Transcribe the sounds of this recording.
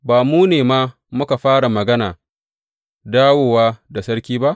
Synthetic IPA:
baː˨muː˦neː˨ma˦ | mʊ˦ka˨ɸaː˦ɽa˨mɐ˨ɡɐ˦na̰ː˨ | daː˦woː˨waː˦da˨sɐ˦ɽkʲiː˦ba˦ʔ

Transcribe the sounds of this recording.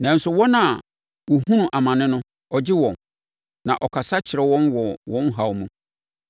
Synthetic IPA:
nã˨n̩˦sʊ˨wɔ˦nã˨ | wɔ˨ɦũ˦nũ˨ʔa˨mã˨nɪ̃˦nʊ̃˦ | ɔ˨d͡ʑɪ˦wɔ̃˨n | nã̰˨ʔɔ˨kʰa˨sa˦t͡ɕʰɪ˨ɾɛ˨wɔ̃˦nwɔ˨wɔ̃˦n˦ɦa˨wmũ˨

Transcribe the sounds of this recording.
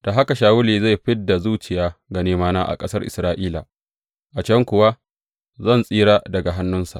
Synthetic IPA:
d̥a˨ɦa˦ka˨ʃaː˨wʊ˦liː˨za˦˨ɸɪ˦dːa˨zuː˦t͡ʃɪ˨jaː˦ɡa˨neː˦maː˦naː˦ʔa̰˨kʼɐ˦sɐ˦rʔɪ̰˨sɾaː˦ʔiː˦la̰˨ | ʔa˨t͡ʃɐ˦ŋkʷʊ˨wa˦ | zɐ˦˨nsʼiː˦ɽaː˦dɐ˨ɡa˨ɦa˦nːʊ˦nsa̰˨ʔ

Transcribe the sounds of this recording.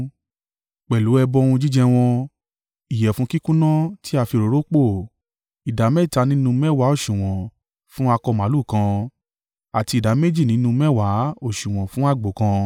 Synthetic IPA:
k͡pɛ˨lu˨˦ɛ˧bɔ̃˧˦˧ũ˧d͡ʒi˦d͡ʒɛ˧w̃ɔ̃˧ | i˨jɛ˨fũ˨˦ki˦kũ˦nã˦ti˦a˧fi˧ɾo˨ɾo˦k͡po˦˨ | i˨da˨˦mɛ˦˨ta˨˧˦nĩ˦nũ˧mɛ˦˨wa˨˦o˦˨ʃũ˨w̃ɔ̃˨ | fũ˦a˧kɔ˧mã˨˦lu˦˨kã˧ | a˨ti˧i˨da˨˦me˦d͡ʒi˦˨nĩ˨˦nũ˧mɛ˦wa˨˦o˦˨ʃũ˨w̃ɔ̃˨fũ˦a˦˨ɡ͡bo˨˦kã˧

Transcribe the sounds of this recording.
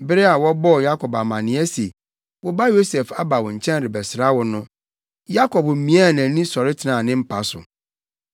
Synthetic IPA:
bɪ˦ɾɛ˦a˨wɔ˦bɔ˦˨ja˦kʰɔ˨ba˨mã˨nɪ̃˨˦ɛ˦se˨ | wʊ˦ba˦jo˦sɛ˨fa˦ba˨wɔ̃˨ɲ̩˨t͡ɕʰɛ̃˦n˦ɾɪ˨bɛ˨sɪ˨ɾa˦wɔ˦nʊ̃˦ | ja˦kʰɔ˨bm̩˨mĩ˦a˦˨nã˨˦nĩ˦sɔ˨ɾɪ˦tʰɪ˨nã˨nɪ̃˦m̩˦pʰa˨sʊ̰˨

